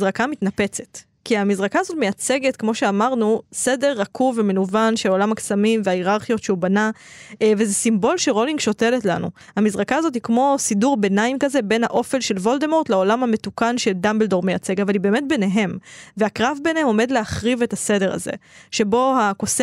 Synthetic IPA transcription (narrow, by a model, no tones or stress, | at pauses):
zʁakamitnape̞t͡set | kiamizʁakaːzo̞tme̞jat͡seɡetkmo̞ʃeamaʁnuse̞de̞ʁːakʰuvemenuvanʃeo̞lamaksamimveaiʁaʁχijo̞tʃeubanavezesimbo̞lʃeʁo̞liŋɡʃo̞teletla̰nṵ | hamizʁakaːzo̞t̬hikmo̞siduʁbenaimkaze̞be̞nha̰ʔo̞felʃe̞lvo̞ldemo̞ʁt̪leo̞lamhame̞tukanʃeldambeldo̞ʁmeja̰t͡se̞ɡavalibe̞ːme̞t̚be̞ne̞ɦe̞mveakʁavbe̞nhemo̞me̞dleaχʁivetase̞de̞ʁa̰zḛʃe̞bo̞hakos